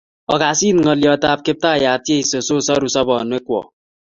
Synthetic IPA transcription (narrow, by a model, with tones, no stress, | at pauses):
ɔ˨ɡa˨si˦n˨ŋɔ˨li˨ɔ˨ta˨p̚ke˦p̚ta˦˨ja˨tje˦i˨so˨so˦˨sɔ˦ɾu˨sɔ˦bɔ˨nwe˦kʷɔ̰˨